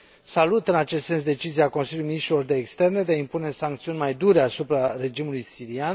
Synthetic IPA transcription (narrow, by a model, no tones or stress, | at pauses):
salut̪ɨnat͡ʃe̞st̪se̞ns̬d̪e̞t͡ʃiziako̞nsiljuijminiʃt̪ɾilo̞rd̪e̞ːkst̪e̞rne̞d̪eaimpune̞saŋk̚t̪siunʲmajd̪uɾe̞asupɾare̞d͡ʒimulujsiɾian